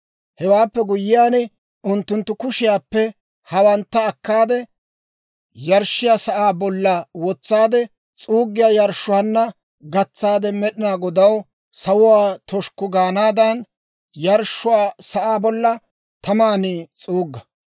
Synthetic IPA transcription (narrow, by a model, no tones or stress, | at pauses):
hɛwaːpːɛɡʊjːɪjaːnɛ | ʊnt̪ːʊnt̪ːʊkʊʃɪjaːpːɛ | hɐwɐnt̪ːɐːkːaːd̪ɛ | jɐɾʃːɪjaːsɐʔaːbɔlːɐwɔt͡sːaːd̪ɛ | t͡sʼuːɡːɪjaːjɐɾʃːʊwaːnːɐ | ɡɐt͡sːaːd̪ɛmɛɗɪnaːɡɔd̪ɐw | sɐwʊwaːt̪ɔʃkʊɡaːnaːd̪ɐn | jɐɾʃːʊwaːsɐʔaːbɔlːɐ | t̪ɐmaːniːt͡sʼuːɡːɐ